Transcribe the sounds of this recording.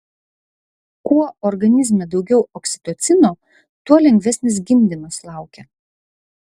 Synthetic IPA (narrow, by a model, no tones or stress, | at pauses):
kuɔɔɾɡɐnʲɪzʲmʲɛd̪ɒʊɡʲɛʊʔɔksʲɪ̥t̪ot̪sʲɪnoː | t̪uɔlʲɛŋʲɡʲʋʲɛsʲnʲɪs̬ɡʲɪmʲd̪ʲɪnoslˠɑˑʊkʲɛ